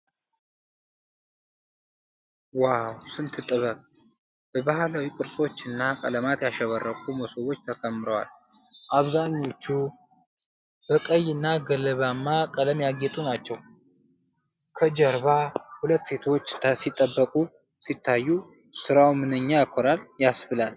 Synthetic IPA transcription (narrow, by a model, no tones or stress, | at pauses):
wawsɨnt̪ʰɨt̪ʼɨβəβ | b̥əbahlawikʼɨɾsʼo̞t͡ʃːɨnːakʼə̰ləmat̪jaʃɛβərːəkʼuməsowo̞t͡ʃːt̪ʰəkʰəmːɨɾəwa̰lʔaβzaɲːo̞t͡ʃːu | b̥əkʼəjɨnːaɡələβamːakʼələmjaɡet̪ʼunat͡ʃːɛw | kʰəd͡ʒəɾβahulət̪ːse̞t̪ʰot͡ʃːsit̪ʼːəbːəkʼu | sit̪ʰːajːu | sɨɾawmɨnɨɲːajkʰoɾaljasbɨlal